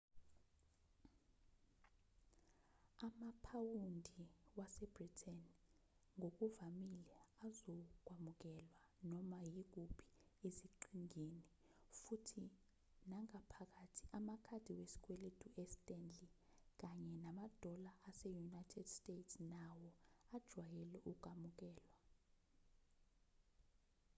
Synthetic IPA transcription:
amapʰawundʱiwasɛbritʰɛnŋʱok̬uvamilɛazɔk̬wamuk̬ɛlwa | nɔmajik̬upʰi̥eziǃiŋeni | futʰi | naŋapʰak̬atʰi̥ʔamakʰad̥ʱiwesi̥k̬ʼwɛletʰʼuʔɛstʼɛnd͡ɮi | k̬ʼaɲɛnamad̥ʱɔlaːsɛjunajtʰɛd̥stʼetsnawɔad̥ʒ̥ʱwajɛlɛʔukʼamuk̬ʼɛːlwa

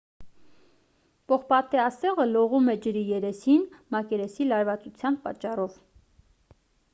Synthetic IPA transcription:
pɔχpɑt̪ɛɑsɛʁəlɔʁumɛd͡ʒəɾijɛɾɛsinmɑkɛɾɛsilɑɾvɑt͡sut͡sʰjɑnpɑt͡ʃːɑrɔv

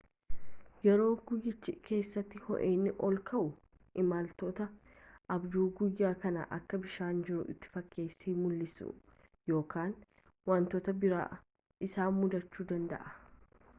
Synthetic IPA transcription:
jɛɾo̞ːɡʊjɪt͡ʃːɪʔke̞ːsːɐt̪ːɪhɔ̰ʔeːnːɪʔɔlkʰɐʔʊ | ʔɪmaːlt̪oːt̪ɐ | ʔɐbd̪uːɡʊjːaːkɐnɐ̰ʔɐ̰kːɐbɪʃaːnd͡ʒɪɾʊʔɪt̪ːɪ̥fɐkʰːe̞ːsːiːmʊlːɪsʊ̰ | jo̞ːkaːn | wɐnt̪oːt̪ɐbɪɾa̰ː | ɪsaːnmʊd̪ɐt͡ʃːuːd̪ɐnd̪ɐ̰ʔɐ̥

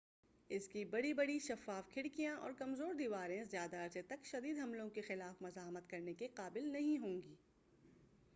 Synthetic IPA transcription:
ɪskibɐɽibɐɽiʃɐfaːfkʰɪɽkijãʔɔ̰ːɾkɐmzoːɾd̪iːʋaːɾẽzjaːd̪aɐɾset̪ɐkʃɐd̪iːd̪ɦɐmlõkexɪlaːfmɐzaːɦmət̪kɐɾnekeqaːbɪlnɐɦĩɦõːŋɡiː

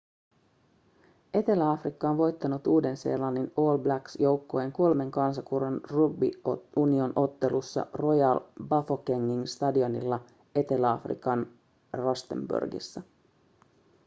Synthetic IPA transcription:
e̞t̪e̞læɑfrikːɑonʋo̞jt̪ːɑnut̪uːde̞nse̞̰ːlɑnːino̞ːlblæksjo̞wkːoeŋko̞lme̞ŋkɑnsɑkuronruɡ̚bḭunio̞nʔo̞t̪ːe̞lusːɑ̰ro̞jɑlbɑfokeŋːiŋst̪ɑdio̞nḭlːɑ | e̞t̪e̞læɑfrḭkɑn | rost̪e̞̰mbṵrɡḭsːæ

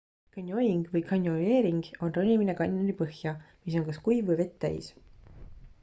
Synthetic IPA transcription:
kɑnʲjojiŋɡ̥vɤjkʰɑnʲjole̞ːɾiŋɡ̥o̞nronʲiminekɑninʲipɤhjɑmis̬o̞ŋkɑskujvvɤjve̞t̪ːæ̰j̰s

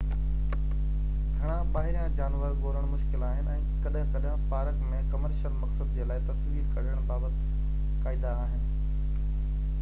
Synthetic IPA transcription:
ɡʱɐɽ̃ãɓaːɦɪɾijãd͡ʑaːnʋəɾɡoːɾəɽ̃mʊʃkɪlaːɦɪnɪ̆ɛ̃ːkɐɗɦɪ̃kɐɗɦə̃paːɾəkmẽkɐməɾʃəlmɐksəd̪d͡ʑeːlaːɪt̪ɐsʋiːɾkɐɾəɽ̃baːbət̪ | kaːɪd̪aːɦɪnɪ̆

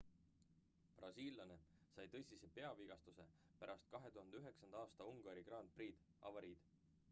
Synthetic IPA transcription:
prɑsiːlːɑne̞sɑjt̪ɤ̞jsʲise̞pe̞ɑviɡ̥ɑst̪use̞ | pæɾʔɑst̪̚kɑɦe̞t̪uhɑnd̪eyɦe̞ksɑnd̪ɑɑːst̪ɑuŋɡ̥ɑɾiɡ̥rɑnt̪̚priːd̪̥ | ɑ̰vɑɾiːd̪̥

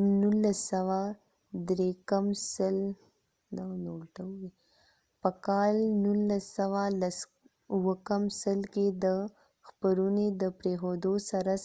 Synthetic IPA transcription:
nulːasawa | d̪ɾekəmsəl | d̪anolʈawwi | pəkɑlnulːasawalas | uwəkəmsəlked̪ə | xpəɾuned̪əpɾexod̪osaɾa

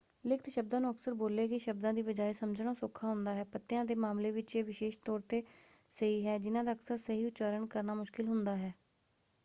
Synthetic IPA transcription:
lɪkʰt̪ʃəb̚d̪ãːnũːəksəɾboːleːkiʃəb̚d̪ãːd̪iːʋəd͡ʒaːisəmd͡ʒnaːsoːkʰaːɦʊnd̪aːɦɛːpət̪ːejãːd̪eːmaːmleːʋɪt͡ʃeːʋɪʃeːʃt̪ɔːɾt̪eːsəɦiːɦɛːd͡ʒɪnãːd̪aːəksəɾsəɦiːʊtːt͡ʃaːɾəɳkəɾnaːmʊʃkɪlɦʊnd̪aːɦɛː

